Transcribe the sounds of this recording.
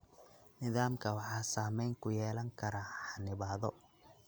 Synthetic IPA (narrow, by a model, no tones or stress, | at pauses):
nɪðaːmkʰɐwɑħɑːsaːmɛjŋkʰʊjɛːlɐŋkʰɐɾaħɑnɪβaːðɔ